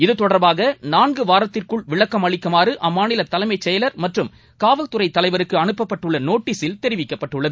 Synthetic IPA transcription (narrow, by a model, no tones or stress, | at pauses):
ɪðɯt̪ɔɽɐɾbaːɣɐnaːnɡɯʋaːɾɐt̪ːɪrkɯɭʋɪɭɐkːɐmɐɭɪkːɐmaːrɯʔɐmːaːnɪlɐt̪ːɐlɐɪmɐɪt͡ʃːɛjɐlɐɾmɐʈrɯm | kaːʋɐlt̪ɯrɐɪt̪ːɐlɐɪʋɐɾɯkːɯɐnɯpːɐpːɐʈːɯɭːɐnoːʈːiːsɪlt̪ɛɾɪʋɪkːɐpːɐʈːɯɭːɐðɯ